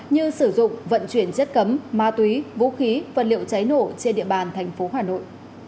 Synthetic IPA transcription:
ɲɨ˧sɨ˧˩zʊ̰˧˨ŋ͡mvə̰˧˨nt͡ɕwi˧˩ənt͡ɕə˦˥t̚kə˨˦mmaː˧t̪wi˨˦vṵ˧˥xi˨˦və̰˨˩lḭ˧˨əwt͡ɕa˨˦jno˧˩t͡ɕe˧nɗḭ˧˨əɓaː˨˩nt̪ʰɛ˨˩jŋ̟fo˨˦ɦaː˨˩no̰˧˨j

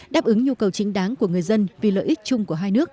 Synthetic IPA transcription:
ɗaː˦˥p̚ʔɨ˨˦ŋɲu˧kə˨˩wt͡ɕï˨˦ŋ̟ɗaː˨˦ŋku˧˩əŋɨ˨˩əjzə˧nvi˨˩lə̰ː˧˨ʔi˦˥k̚t͡ɕʊ˧ŋ͡mku˧˩əɦaː˧jnɨ˦˥ək̚

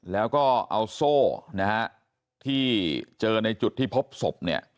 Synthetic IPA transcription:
lɛː˦˥wkɔː˥˩ʔa˧wsoː˥˩na˦˥ha˦˥ʔ | t̪ʰiː˥˩t͡ɕɤː˧na˧jt͡ɕu˨˩t̪ʰːiː˥˩pʰo˦˥p̚so˨˩p̚ni˦˥˩ɐ

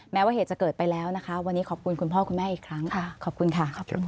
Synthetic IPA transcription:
mɛː˦˥waː˥˩eː˨˩t̪t͡ɕkɤː˨˩t̪̚pa˧jlɛː˦˥wna˦˥kʰa˦˥wa˧nːiː˦˥kʰɔː˨˩p̚kʰu˧nkʰu˧npʰɔː˥˩kʰu˧nmɛː˥˩ʔiː˨˩kʰɾa˦˥ŋʰkʰɔː˨˩p̚kʰu˧nkʰa˥˩˧

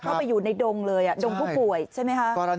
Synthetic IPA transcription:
k̪ʰa˥˩wpa˧jːuː˨˩na˧jdo˧ŋlɤː˧jʔa˨˩do˧ŋpʰuː˥˩pu˨˩əjt͡ɕʰa˥˩jma˦˥jkʰa˦˥ʔ

